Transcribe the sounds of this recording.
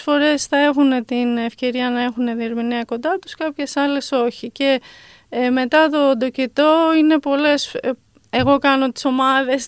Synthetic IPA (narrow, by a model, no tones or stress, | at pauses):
fo̞ɾe̞sθɐe̞xunet̪inefce̞ɾiɐnɐe̞xuneðie̞ɾminiɐko̞nd̪ɐt̪u̥skɐpçe̞sɐle̞so̞çice̞ | me̞t̪ɐt̪o̞d̪o̞cet̪o̞ine̞po̞le̞s | e̞ɣo̞kɐno̞t̪i̥so̞mɐðe̞s